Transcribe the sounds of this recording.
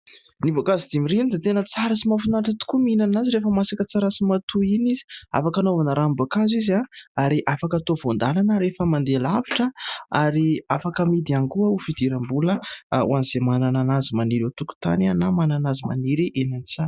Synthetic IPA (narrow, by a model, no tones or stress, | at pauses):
nivokazid̪imiɾinid̪et̪enət͡saɾəsimafunaʈ͡ʂat̪u̥kuminanaziɾefəmasakət͡saɾasimat̪ʰuinizi̥a̰fakanovanəɾambakazizaaɾiʔafakat̪ovond̪alanəɾefəmand̪elaviʈ͡ʂəaɾiafakəmid̪ianikuəufid̪iɾambuləṵaniz̥emanananazimaniɾot̪uku̥t̪a̰nanamananazima̰niɾiʔenanit͡sḁ